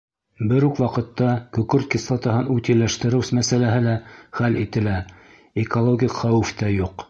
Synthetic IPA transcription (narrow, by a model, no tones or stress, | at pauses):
bɘɾʉkwɑqɤ̆t̪ːɑkɵ̆kɵɾt̪̚kʲislˠɑt̪ɑɦɤnʉt̪ilæʃt̪ɘ̆ɾɘwsmæsælæɦɘlæχælit̪ɘ̆læ | ekolˠoɡʲikχæwɘft̪æjuq